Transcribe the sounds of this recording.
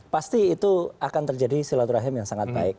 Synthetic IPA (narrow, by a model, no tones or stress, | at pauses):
past̪iːt̪uakant̪ərd͡ʒadisilat̪uɾaɦɪmjaŋsaŋat̪̚ba̰ɪk̚